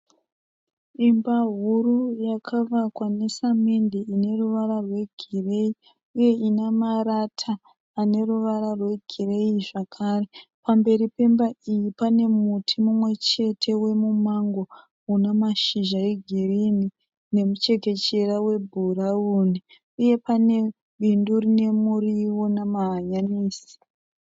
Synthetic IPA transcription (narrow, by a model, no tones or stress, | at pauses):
imbaɦurujakʰaʋakwane̞samendeine̞ruʋaɾarwe̞ɡʱirei | uje̞ʔinamaɾatʰaː | ne̞ruʋaɾarwe̞ɡʱire̞iʐakʰare̞pambe̞ɾipe̞mbaijipane̞mutʰimumwe̞t͡ʃe̞tʰe̞we̞mumaŋɡo̞ | unamaʃiʒaeɡʱirini | ne̞mut͡ʃe̞ke̞t͡ʃe̞rawe̞bʱurauni | uje̞pane̞ | ɓindurine̞muriwonamaɦaɲaniːsi̥